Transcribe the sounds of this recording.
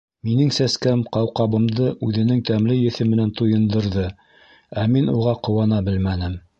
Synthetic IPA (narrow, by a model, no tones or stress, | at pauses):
minɘŋsæskæmqɑwqɑβɤ̆md̪ɤʔʉðɘ̆nɘŋt̪æmlɘjɘ̆θɘmɘ̆nænt̪ujɤ̆nd̪ɤ̆ɾðɤ | æminuʁɑqŏwɑnɑbɘlmænɘm